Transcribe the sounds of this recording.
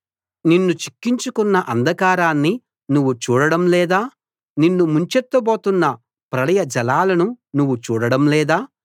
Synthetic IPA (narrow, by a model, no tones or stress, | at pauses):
ninːut͡ʃi̥kːiɲt͡ʃukunːɐʔɐnd̪ʱɐkaːɾaːnːi | nuʋːut͡ʃuːɽɐɽɐmlɛːd̪aː | ninːumuɲt͡ʃɛt̪ːɐboːt̪unːɐ | pɾɐlɐjɐd͡ʒɐlaːlɐnunuʋːut͡ʃuːɽɐɽɐmlɛːd̪aː